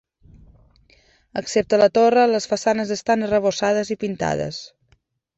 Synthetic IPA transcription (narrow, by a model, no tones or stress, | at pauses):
əksep̚t̪ələt̪orələsfəsanəzəst̪anərəβ̞osað̞əzipint̪a̰ðə̰s